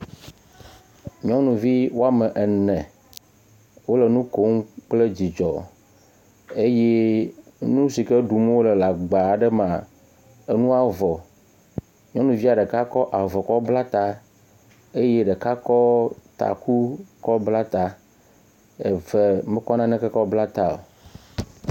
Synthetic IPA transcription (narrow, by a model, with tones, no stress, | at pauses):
ɲ˦ɔ̃˦nũ˨vi˦wo˦a˦mɛ̃˨ʔɛ˨nɛ̃˨ | wo˦le˨nũ˦ko˦ŋk͡ple˦d͡ʑi˨d͡ʒɔ˨ | e˦je˦ | nũ˦si˨ke˦ɖu˨m˦wo˦le˨la˨ɡ͡ba˨ɖɛ˦m˨ã˨ | e˦nũ˦a˨vɔ˨ | ɲɔ̃˦nũ˦vi˦a˨ɖe˨ka˦kɔ˦ʔa˨vɔ˨kɔ˦bla˦t̪a˦ | e˦je˦ɖe˨ka˦kɔ˦t̪a̰˨ku˦kɔ˦bla˦t̪a˦ | e˨vɛ˨mɛ̃˦kɔ˦nã˦nɛ̃˦ke˦kɔ˦bla˦t̪a˦o̰˨